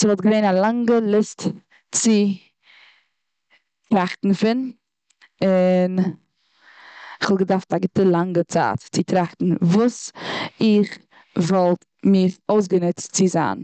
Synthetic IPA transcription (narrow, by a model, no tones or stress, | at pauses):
sɪvɔlˠt̚ɡəveɪnalˠaŋɡəlˠɪst | t͡sɪ | tɾaχtn̩fɪn | ɪn | ɪχvɔlˠɡədaftaɡɪtəlˠaŋɡət͡sa̰ːtt͡sɪtɾaχtn̩vuːsɪχ | vɔlˠt | mɪɾoʊs̬ɡənʊt͡st͡sɪza̰ːn